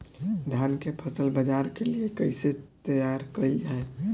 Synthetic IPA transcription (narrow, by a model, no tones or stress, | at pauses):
d̪ʱjankepʰəsəlbəd͡ʒaɾkeliekəɪset̪əjaɾkəid͡ʒae